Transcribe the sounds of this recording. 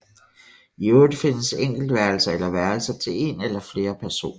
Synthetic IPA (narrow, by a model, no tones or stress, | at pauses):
ioːd̥əfe̝nəseŋ̰ɡ̥l̩d̥ʋæɐl̩sɐelɐʋæɐl̩sɐt͡sʰe̝le̝nelɐfle̝ːɐpʰæɐso̝̰ːn